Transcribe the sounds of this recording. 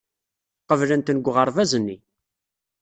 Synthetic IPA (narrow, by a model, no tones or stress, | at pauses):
qəvlənt̪nəɡʷːʁəɾˤvæzənːi